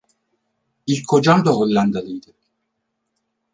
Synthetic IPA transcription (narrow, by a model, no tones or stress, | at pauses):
ilʲkʰo̞d͡ʒamd̪aɦolʲːand̪alˠɯjd̪ɯ